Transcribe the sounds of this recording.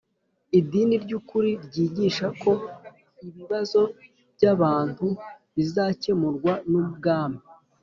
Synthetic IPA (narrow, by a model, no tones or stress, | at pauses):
idiːniɾɟukuɾiɾɟiːɟiʃako̞ | iβiβazo̞ | b̥ɟaβaːn̥thu | βizace̞muɾɡwanuub̚ɡaːmi